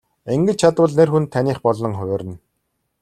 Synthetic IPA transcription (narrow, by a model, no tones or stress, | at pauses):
eŋɡɘ̆t͡ɕt͡ɕʰat̪wə̆ːɮnerxunt̪ʰːaniːχpɔɮɞ̆ŋχʊwʲɔːɾʲə̆n